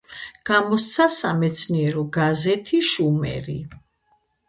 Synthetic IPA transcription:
ɡ̥amɔst̪sʰasamɛt̪sʰniɛɾɔɡazɛt̪ʰiʃumɛ̰ɾḭ

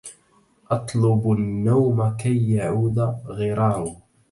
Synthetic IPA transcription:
ʔɑt̪ˤlʊbnːawmakajːaʕuːd̪aɣɪɾˤɑːɾ

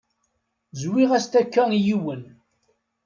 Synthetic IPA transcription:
zwiʁæst̪ækːænjiwən

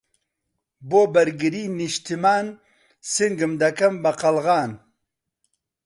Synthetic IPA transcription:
boːbɐɾɡiɾiniɕt̪imaːn | siŋɡəmd̪ɐkɐmbɐqɐlʁaːn

